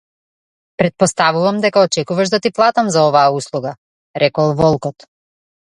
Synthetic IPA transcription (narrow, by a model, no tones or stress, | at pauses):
pɾɛt̪̚pɔst̪avuvamd̪ɛkaɔt͡ʃɛkuvaʒd̪at̪iplˠat̪amzaɔvaːuslˠuɡa | ɾʔɛkɔlˠvɔlˠkɔt̪